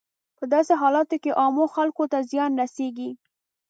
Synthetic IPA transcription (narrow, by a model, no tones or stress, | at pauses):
pəd̪ɑseɦɑlɑt̪okeʔɑmoxalkot̪azjɑnɾaseɡi